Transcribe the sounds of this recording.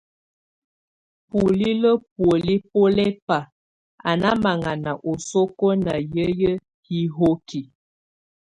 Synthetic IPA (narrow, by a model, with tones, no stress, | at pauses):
pu˨li˦lə˦p̚wə˨li˦po˦lɛ˦pa˨ | a̰˨na˦ma˨ŋa˨na˨ʔo˨so˦ko˦na˨jə˦jə˦ | hi˦ɦo˦ki˨